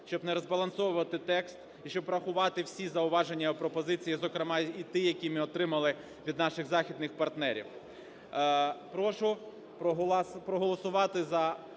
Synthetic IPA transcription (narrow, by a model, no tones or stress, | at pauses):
ʃʲt͡ʃɔbnɛɾɔzbɐlˠɐnsɔwʊʋɐt̪ɪt̪ɛkst̪ | iʃt͡ʃɔbɾɐxʊʋɑt̪ɪwsʲizɐʊʋɑʒenʲːɐpɾɔpɔzɪt͡sʲijizɔkɾemɑit̪ɪjɐkʲimɪɔt̪ɾɪmɐlˠɪ | ʋʲid̪nɑʃɪɣzɑxʲid̪nɪxpɐrt̪nɛɾʲḭw | pɾɔʃʊ | pɾɔɦɔlˠɔsʊʋɑt̪ɪzɐ